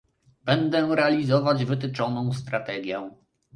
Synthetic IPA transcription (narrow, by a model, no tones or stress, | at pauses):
bɛnd̪ɛɾɛalʲizɔvad͡ʑvɘt̪ɘt͡ʂɔnɔ̃w̃st̪ɾat̪ɛɡʲjɛ